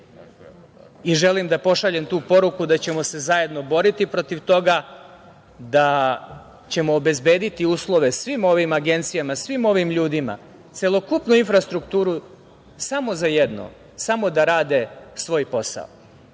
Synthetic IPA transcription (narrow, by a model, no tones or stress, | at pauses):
iʒelimd̪apo̞ʃaʎemt̪uːpo̞ɾukud̪at͡ɕe̞mo̞se̞zaje̞d̪no̞bo̞ɾit̪ipɾo̞t̪iʋt̪o̞ɡa | d̪a | t͡ɕe̞moːbe̞zbe̞ːd̪it̪iuːslˠo̞ʋe̞sʋimo̞ʋimaɡe̞nt̪sijamasʋimo̞ʋimʎuːd̪ima̰ | t̪se̞lˠo̞kupnuinfɾast̪ɾukt̪uːɾu | samo̞zajed̪no̰ | samo̞d̪aɾaːd̪e̞sʋo̞ːjpo̞sa̰o